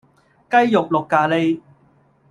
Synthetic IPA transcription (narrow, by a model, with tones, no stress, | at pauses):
kɐ˥jjʊ˨k̚lʊ˨kːaː˧le˧˥j